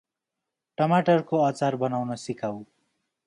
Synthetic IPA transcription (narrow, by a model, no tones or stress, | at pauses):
ʈʌmaʈʌrkoat͡sarbʌnawnʌsikaw